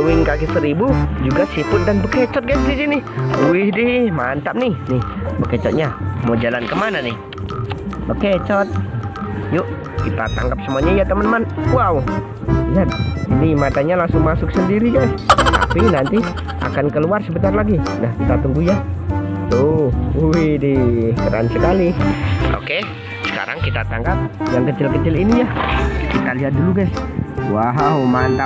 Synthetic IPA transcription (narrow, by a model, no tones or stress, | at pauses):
wɪŋkakɪsəɾibud͡ʒuɡasipʊt̪̚danbəket͡ʃɔt̪̚ɡajsdisinɪuɪhdɪmant̪ap̚nɪhnɪhbəket͡ʃɔt̪̚ɲamod͡ʒalankəmananɪh | bəket͡ʃɔt̪̚ | jʊʔ | kit̪a̰t̪a̰ŋɡap̚səmuaɲaijat̪əmənəmanwau | nat̪̚inimat̪aɲalaŋsʊŋmasʊk̚səndiɾid͡ʒat̪a̰pinant̪i | ʔa̰kankəluarsəbət̪arlaɡinahisat̪uŋɡujat̪uuwidipəɾa̰nsəkaliʔo̰ke | sə̥ka̰ɾaŋkit̪at̪a̰ŋɡap̚jaŋkət͡ʃɪlkət͡ʃɪlinijakit̪aliɦat̪̚duluɡaswaɦamant̪a